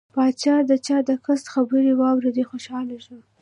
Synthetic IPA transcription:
pɑt͡ʃɑd̪ət͡ʃɑd̪əkast̪xabəɾiwɑwɾed̪ixoʃɑlaʃu

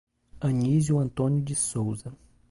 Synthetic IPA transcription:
ɐ̃ɲizjuɐ̃nt̪õnjʊd͡ʒɪsowzɐ

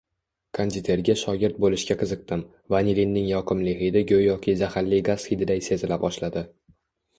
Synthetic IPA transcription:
kʰand̪ɪt̪ʰe̞ɾɡʲaʃɒɡʲɪɾt̪̚bolɪʃkʲaqʰɨzɨq̚t̪ɪm | vanʲilinːɪŋjɒqʰɨmlɪɦɪd̪ɪɡʲɵjjɒkʲʰɪzahaɾlːɪɡaz̥hid̪ɪd̪ajse̞zɪlabɒʃlad̪ɪ

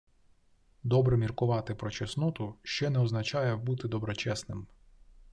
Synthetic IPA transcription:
d̪ɔbɾɛmʲirkʊʋɑt̪ɪpɾɔt͡ʃɛsnɔt̪ʊʃt͡ʃɛnɛɔznɐt͡ʃɑjɛbut̪ɪd̪ɔbɾɔt͡ʃɛsnɪm

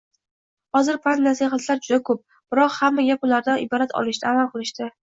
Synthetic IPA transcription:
hɒzɪɾpʰannasiɦat̪ʰlaɾd͡ʒʊd̪akʰɵp̚ | b̥ɪɾɒqhamːajʲapʊlaɾd̪anɪbɒɾat̪ʰɒ̰lˠɪʃt̪ʰaːmalˠqɨlˠɪʃt̪ɪ

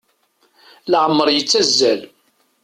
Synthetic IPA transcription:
lʕəmːəɾˤjət͡sːæzːæl

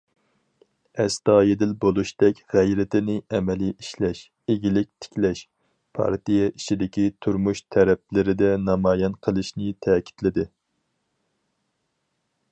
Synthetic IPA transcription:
ɛst̪ɑːjed̪ɪlbolˠuʃd̪ɛkʲʁæjɾɪt̪ɪnɪɛmɛliʔiʃlɛʃ | eɡʲilɪk̚ʲt̪ʰɪ̥kʲlɛʃ | pʰɑ̰ɾt̪ijɛʔit͡ʃʰid̪ɪkʲit̪ʰuɾmuʃt̪ʰɛɾɛp̚lɪɾɪd̪ɛnɑmɑːjɛnqʰəlˠɨʃnɪt̪ʰɛːkʲʰi̥t̪lɪd̪ɪ

